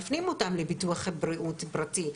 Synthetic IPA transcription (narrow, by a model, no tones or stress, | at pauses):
fnimotamlebituaχbɾiʔutbɾati